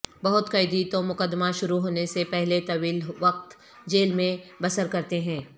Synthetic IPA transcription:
bɐɦʊt̪kɐɪd̪it̪omʊkəd̪ːmaʃʊɾuɦoːnesepɛɦlet̪ɐʋiːlʋɐq̚t̪ | d͡ʒeːlmẽbɐsəɾkɐɾt̪eɦɛ̃ː

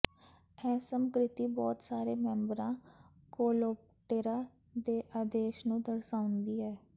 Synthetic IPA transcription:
ɛːsəmkɾɪt̪iːbɔːt̪saːɾeːmɛ̃mbɾãː | koːlop | ʈeːɾaː | d̪eːʔaːd̪eːʃnũːd̪əɾsaːʊnd̪iːɦɛː

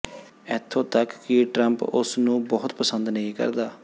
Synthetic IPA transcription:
ɛːt̪ʰːõːt̪əkːɪiʈɾəmpʊsnũːbɔːʊt̪pəsənd̪nəĩːkə̰ɾd̪aː

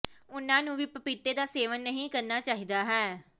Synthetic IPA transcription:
ʊnãːnũːʋiːpəpɪt̪eːd̪aːseːʋənːəɦĩːkəɾnaːt͡ʃaːɦiːd̪aːɦɛː

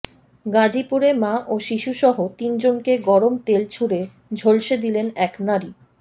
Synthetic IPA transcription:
ɡad͡ʑipuɾemaʔoʃiʃuʃɔɦot̪ind͡ʑonkeɡɔɾomt̪elt͡ɕʰuɾe | d͡ʑʱolʃed̪ilenɛknaɾi

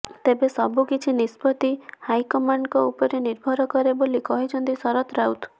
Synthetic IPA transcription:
t̪ebesɔbukit͡ʃʰinispɔt̪ihajkɔmaɳɖkɔupɔɾeniɾbʱɔɾɔkɔɾebolikɔɦit͡ʃʰɔnt̪isɔɾɔt̪ɾawt̪

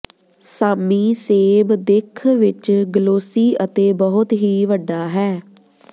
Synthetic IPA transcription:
saːmiːseːbd̪ɪkʰʋɪt͡ʃɡəloːsiːʔət̪eːbəɦʊt̪ɦiːʋəɖːaːɦɛː

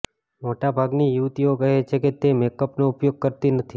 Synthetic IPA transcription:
moʈabʱaɡnijuʋt̪iokəɦet͡ʃʰeket̪emekəpnoupjoɡ̚kəɾt̪inət̪ʰi

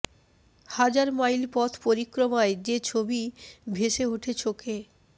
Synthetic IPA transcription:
had͡ʑaɾmajlpɔt̪ʰpoɾikːɾomaed͡ʑet͡ɕʰobibʱeʃeoʈʰet͡ɕʰoke

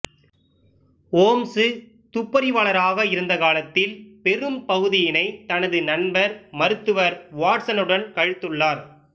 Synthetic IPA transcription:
oːmsɯ | t̪ʊpːɐɾɪʋɐɭɐɾaːɣɐɪɾɯnd̪ɐkaːlɐt̪ːɪlpɛɾɯmpɐɣɯðɪjɪnɐɪt̪ɐnɐðɯnɐnbɐɾmɐɾɯt̪ːɯʋɐɾʋaːʈsɐnɯɽɐnkɐɻɯt̪ːɯɭːaːɾ

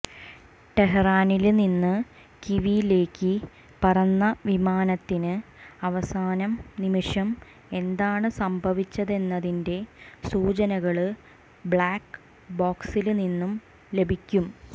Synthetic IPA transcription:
t̪eɦɐraːnilninːɨ | kiʋijle̞ːkːɨ | pɐrɐnːɐʋimaːnɐt̪ːinɨɐʋɐsaːnɐmnimiʂɐm | e̞nd̪aːɳɨsɐmbʱɐʋit͡ɕːɐðe̞nːɐðinde̞suːt͡ɕɐnɐɣɐɭɨ | bɭaːkːɨ | boːksilninːum | le̞bʱikʲːum

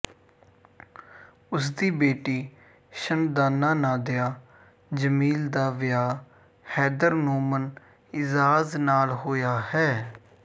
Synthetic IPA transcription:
ʊsd̪iːbeːʈiː | ʃənd̪aːnːaːnaːd̪ɪjaː | d͡ʒəmiːld̪aːʋɪjaː | hɛːd̪əɾnuːmən | ɪzaːznaːlɦoːjaːhɛː

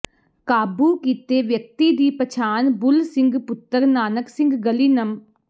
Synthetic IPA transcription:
kaːbuːkiːt̪eːʋjək̚t̪iːd̪iːpət͡ʃʰaːnbʊlsɪ̃ŋɡpʊt̪ːəɾnaːnəksɪ̃ŋɡɡəliːnəm

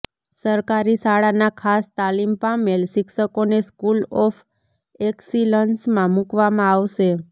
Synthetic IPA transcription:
səɾkaɾisaɽanakʰast̪alimpamelʃɪkʃəkoneskulɔfʰ | eksilənsmãmukʋamãaʋʃe

